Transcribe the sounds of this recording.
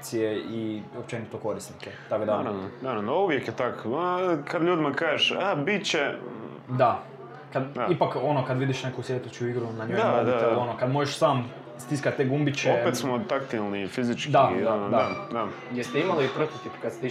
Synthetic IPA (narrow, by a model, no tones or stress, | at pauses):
sijeiopt͡ʃenit̪oko̞ɾisniket̪akod̪aɾaʋnonaɾavnouʋjekjɛt̪akkad̪ʎuːd̪imakaːʒeʃabit͡ʃe | d̪a | kad̪ipako̞nokad̪ʋid̪iʃnekusjet̪ut͡ʃuiɡɾunaɲoaod̪it̪elonokad̪moʒeʃsaːm | st̪iskat̪̚t̪eɡumbit͡ʃeopet̪smot̪akt̪ilˠnifizit͡ʃkd̪ad̪od̪aad̪a | jest̪eimaliupɾt̪ot̪ipkad̪st̪